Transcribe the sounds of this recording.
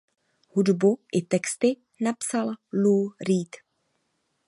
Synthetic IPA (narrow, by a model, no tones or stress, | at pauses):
hudbuʔɪt̪ɛkst̪ɪ | napsalluːɾiːt̪